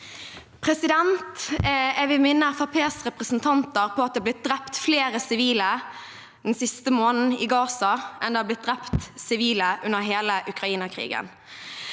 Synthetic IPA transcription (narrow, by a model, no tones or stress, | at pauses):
pʰʁɛsɪd̪ɛnt̪ɛʋɪmɪnːəfɑpʰeːsʁɛpʁəsnt̪ʰɑnt̪əʁpʰɔɑt̪̚d̪ɛːblɪt̪̚d̪ʁɛpt̪fleːɾəsɪʋiːlə | d̪̥ɛn̩sɪst̪əmoːnn̩ɪɡɑːsɑʔɛnd̪ɛːhɑb̪lɪt̪̚d̪ɾɛpt̪sɪʋiːləʔʉnːəʁɦeːləʔʉkɾɑiːnəkʰʁḭːɡə̰n